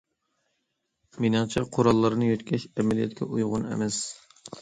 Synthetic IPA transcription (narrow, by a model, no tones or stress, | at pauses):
minɨŋt͡ʃʰɑqʰoɾɑlˠːɑɾɨnɨjøt̪kʲɛʃɛmɛlijɛ̰t̪kʲɛʔujʁʊnɛ̰mɛs